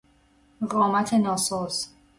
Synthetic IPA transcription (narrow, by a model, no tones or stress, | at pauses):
ɢɒːmæt̪ʰenɒːsɒːz̥